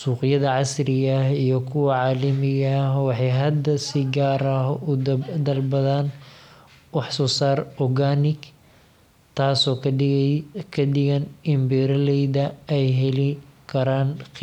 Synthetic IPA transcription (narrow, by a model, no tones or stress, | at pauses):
suːqɪjɐðɐʕɑsrɪɣɐɦijɞkʰʊwɑʕɑːlɐmɪɣɐwɑħɑjɦɐd̪ɐsɪɡaːɾɐɦʊd̪ɐlbɐðaːn | wɑħsɔːsaːrɔɡaːnɪɡ | t̪ʰaːsɔː | kʰɐɖɪɣɐnɪmbɛːɾɐlɛjðɐɛjɦɛlɪkʰɐɾaːn